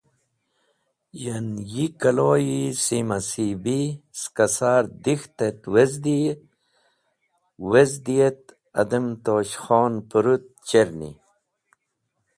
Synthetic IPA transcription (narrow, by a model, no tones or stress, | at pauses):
jɐnjikɐloːjisimɐsibiskɐsaːɾd̪ixt̪et̪wezd̪i | wezd̪ijet̪ | ɐ̰d̪əmt̪oːɕxoːnpuɾut̪̚t͡ɕeɾnḭ